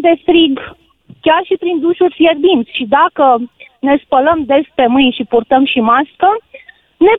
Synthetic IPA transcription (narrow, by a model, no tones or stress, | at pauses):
d̪e̞fɾiɡ | kʲarʃipɾind̪uʃurʲfje̞rd̪int̪sʲʃid̪akəne̞spələmd̪e̞spe̞mɨjnʃipurt̪əmʃimaskə | ne̞